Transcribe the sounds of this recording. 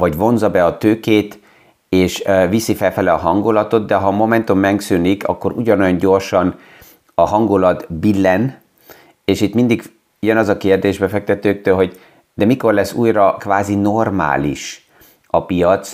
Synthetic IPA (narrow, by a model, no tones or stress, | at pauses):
vɒɟvo̞nzɒbɛɒt̪øːkeːt̪ | eːʃvisifɛlfɛlɛɒɦɒŋɡulɒt̪o̞d̪d̪ɛɦɒmo̞mɛnt̪o̞mːɛŋksynikɒ̰kːo̞ɾuɟɒnojɒɲɟo̞rʃɒn | ɒɦɒŋɡolɒt̪bilːɛn | eːʃit̪mind̪iɡ | ujɒnɒzɒkeːrd̪eːʒbɛfɛk̚t̪ɛt̪øːk̚t̪øːlɦo̞ɟ | d̪̥ɛmiko̞rlɛsːuːjrɒkʋaːzinorma̰ːlḭʃ | ɒpijɒt̪s